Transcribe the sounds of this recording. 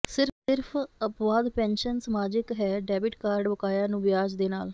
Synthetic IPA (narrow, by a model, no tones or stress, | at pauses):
sɪɾɪɾpʰəpʋaːd̪pɛ̃ːnʃənsəmaːd͡ʒɪkɦɛːɖɛːbɪʈkaːɾɖbəkaːjãːnũːʋɪjaːd͡ʒd̪eːnaːl